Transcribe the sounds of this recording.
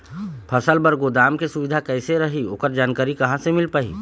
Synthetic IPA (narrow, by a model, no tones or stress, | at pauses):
pʰɐsəlbɐɾɡoːd̪aːmkesʊʋɪd̪ʱakɛːɪseɾɐɦioːkəɾd͡ʒaːnkaːɾikɐɦãsemɪlpaːḭː